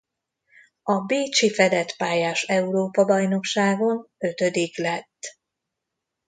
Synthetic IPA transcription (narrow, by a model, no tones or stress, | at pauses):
ɒbeːt͡ʃifɛd̪ɛt̪paːjaːʃɛuɾoːpɒbɒjno̞kʃaːɡo̞nø̞t̪ø̞d̪iklɛt̪ː